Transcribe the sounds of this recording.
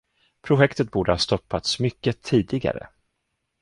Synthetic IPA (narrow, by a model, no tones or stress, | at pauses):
pʰɾʊɧɛkt̪ət̪̚buːɖəhaɑːst̪ɔpːat̪smʏkːət̪ʰiːd̪ɪɡa̰ɾə̰